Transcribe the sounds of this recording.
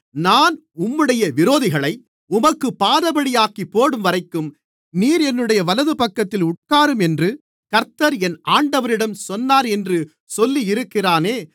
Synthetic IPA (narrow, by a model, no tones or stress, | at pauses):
naːn | ʊmːɯɽɐjɐʋɪɾoːðɪɣɐɭɐɪ | ʊmɐkːɯpːaːðɐbɐɽɪjaːkipːoːɽɯmʋɐɾɐɪkːɯm | niːɾɛnːɯɽɐjɐʋɐlɐðɯpɐkːɐt̪ːɪlʊʈ̚kaːɾɯmɛndrɯ | kɐɾt̪ːɐɾɛnaːɳɖɐʋɐɾɪɽɐmsɔnːaːɾɛndrɯ | sɔlːiɪɾɯkːɪraːneː